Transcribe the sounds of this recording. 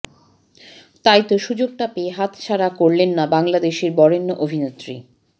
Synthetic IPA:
t̪ajt̪oʃud͡ʑoɡ̚ʈapeɦat̪t͡ɕʰaɾakoɾlenːabaŋlad̪eʃeɾbɔɾenːoʔobʱinet̪ːɾḭ

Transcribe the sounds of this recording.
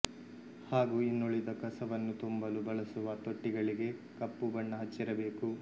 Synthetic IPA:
haːɡuːinːoɭid̪ɐkɐsɐʋɐnːut̪umbɐlubɐɭɐsuʋɐt̪oʈːiɡɐɭiɡe̞kɐpːubɐɳːɐɦɐt͡ʃːiɾɐbe̞ːku

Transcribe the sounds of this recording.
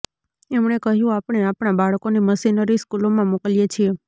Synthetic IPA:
emɳ̃ekəɦjũapɳ̃eapɳabaɭkoneməsinəɾiskulomãmokəljet͡ʃʰie

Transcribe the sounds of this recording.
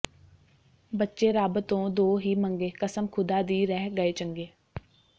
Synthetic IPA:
bətːʃeːɾaːbət̪õːd̪oːɦiːməŋɡeːkəsəmkʰʊd̪aːd̪iːɾɛːɡəeːt͡ʃəŋɡeː

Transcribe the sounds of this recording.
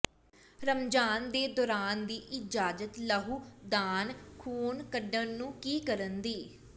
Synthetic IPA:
ɾəmd͡ʒaːnd̪eːd̪ɔːɾaːnd̪iːʔɪd͡ʒaːd͡ʒət̪ləɦuːd̪aːnkʰuːnkəɖənːũːkiːkəɾənd̪iː

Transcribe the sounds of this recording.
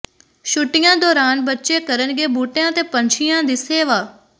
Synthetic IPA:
ʃʊʈɪjãːd̪ɔːɾaːnbɐtːʃekəɾənɡeːbuːʈjãt̪epɐ̃ɲt͡ʃʰɪjãd̪ɪseːʋaː

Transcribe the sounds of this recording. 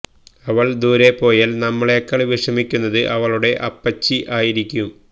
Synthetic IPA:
ɐʋɐɭd̪uːɾe̞pːo̞ːjaːlnɐmːɐɭe̞ːkːɐɭʋiʂɐmikʲːunːɐðɨʔɐʋɐɭuɽe̞ʔɐpːɐt͡ɕːiʔaːjiɾikʲːum

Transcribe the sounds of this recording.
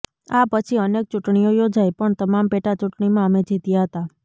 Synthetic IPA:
apət͡ʃʰiənek̚t͡ʃuʈɳijojod͡ʒajpəɳt̪əmampeʈat͡ʃuʈɳimãəmed͡ʒʱit̪ijaɦət̪a

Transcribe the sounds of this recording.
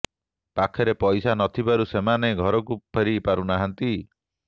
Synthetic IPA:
pakʰɔɾepɔjsanɔt̪ʰibaɾusemaneɡʱɔɾɔk̬upʰeɾipaɾunaɦant̪i

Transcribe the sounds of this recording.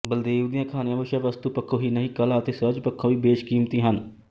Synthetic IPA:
bəld̪eːʋd̪ɪjãːkʰaːnejãːʋəʃãːʋəst̪uːpəkʰːõːɦiːnəɦĩːkəlãːət̪eːsəd͡ʒpəkʰːõːʋiːbeːʃkiːmt̪iːɦən

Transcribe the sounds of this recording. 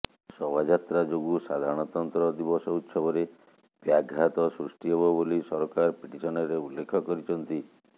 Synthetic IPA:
sɔbad͡ʒat̪ɾad͡ʒoɡusad̪ʱaɾɔɽ̃ɔt̪ɔnt̪ɾɔd̪ibɔsɔut̪sɔbɔɾe | b̥jaɡʱːat̪ɔsɾusʈiɦebɔbolisɔɾɔkaɾpiʈisɔnɔɾeulːekʰɔkɔɾit͡ʃʰɔnt̪i

